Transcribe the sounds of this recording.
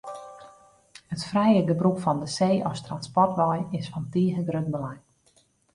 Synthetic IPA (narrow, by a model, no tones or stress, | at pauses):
hətfrɛjəɡəbrukfɔndəseːʔɔstranspɔrtʋɔjɪsfɔntiːəɣəɡrøt̚bəlaj